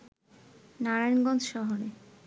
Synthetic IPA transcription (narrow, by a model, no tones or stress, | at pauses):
naɾajnɡɔnd͡ʑʃɔɦoɾe